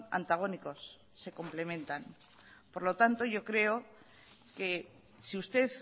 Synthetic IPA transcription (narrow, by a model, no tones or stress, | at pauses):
na̰nt̪aɣ̞o̞niko̞sː | e̞ko̞mple̞mẽ̞nt̪an | po̞ɾlo̞t̪ant̪o̞ʝo̞kɾe̞o | ke̞ | siust̪e̞ð